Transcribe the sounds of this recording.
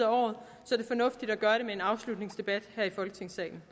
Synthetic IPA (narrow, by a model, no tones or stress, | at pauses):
æɒ̰ːðˠ | sɒɐɾ̥e̝fɒ̽nɔ̽fd̥id̥æɡ̥ɶɐɾe̝mee̝nɑ̈ʊslud̥ne̝ŋsd̥e̝b̥æd̥hæɐ̰ifɒ̽lɡ̥ət͡sʰe̝ŋ̰sɛ̰ːɪn̩